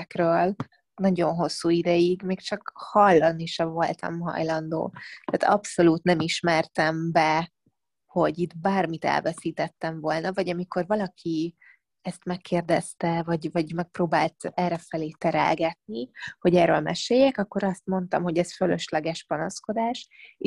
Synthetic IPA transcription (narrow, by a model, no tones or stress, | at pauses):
krøːl | nɒɟo̞nɦo̞sːuːid̪ɛjiɡmeːkt͡ʃɒkhɒlːɒnːiʃɒvo̞lt̪ɒ̰mɦɒ̰jlɒnd̪o̰ːt̪æːt̪ɒ̰pso̞luːt̪nɛmiʃmɛrt̪ɛmbɛ | ho̞ɟit̪baːrmit̪ɛ̰lvɛsiːt̪ɛt̪ːɛɱvo̞lnɒvɒɟɒmiko̞rvɒlɒkʰi | ɛst̪mɛkːeːrd̪ɛst̪ɛvɒɟvɒɟmɛk̚proːbaːlt̪ɛrɛfɛleːt̪ɛɾɛ̰lɡɛt̪̚niho̞ɟɛːrøːlmɛ̰ʃeːjːɛkɒkːo̞ɾɒst̪mo̞nt̪ɒ̰mho̞ɟɛsføløʃlɛɡɛʃpɒnosko̞d̪aːʃ